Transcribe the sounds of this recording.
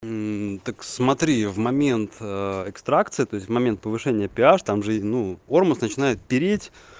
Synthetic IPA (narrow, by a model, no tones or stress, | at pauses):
t̪əksmɐt̪ɾʲivmɐmʲe̞nt̪əɛkst̪ɾakt̪sɨɪt̪o̞ɪsʲtʲvmɐmʲe̞nt̪̚pəvɨʂɛnʲɪjəpʲɪaʂt̪amʐɨnuormʊsnət͡ɕɪnajɪt̪̚pʲɪɾʲetʲ